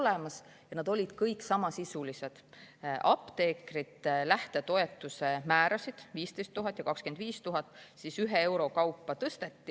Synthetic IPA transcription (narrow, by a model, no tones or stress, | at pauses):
lemɑs | jɑnɑd̪o̞lʲid̪̥kɤjksɑmɑsisulise̞d̪̥ʔɑpt̪eːkrit̪læht̪e̞t̪o̞e̞t̪ːˑuse̞mæːɾɑsid̪̥viːst̪e̞jst̪ːuɦɑt̪ːˑjɑkɑkskend̪̥viːst̪uɦɑt̪ːˑsisyɦee̞wɾo̞kɑwpːɑt̪ɤst̪e̞t̪ːi